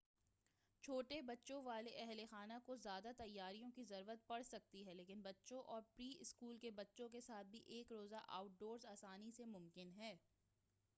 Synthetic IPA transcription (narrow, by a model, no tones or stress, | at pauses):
t͡ʃʰoːʈebɐtːʃõʋaːleʔɛɦlexaːnakozjaːd̪at̪ɐjːaːɾijõkizɐɾwʋət̪̚pɐɽsɐk̚t̪iɦɛleːkɪnbɐtːʃõʔɔːɾpɾiːɪskuːlkebɐtːʃõk̬esaːt̪̚ʰbʱiʔeːkɾoːzaʔa̰ːʊʈ̚ɖoːɾzaːsaːnisemʊmkɪnɦɛː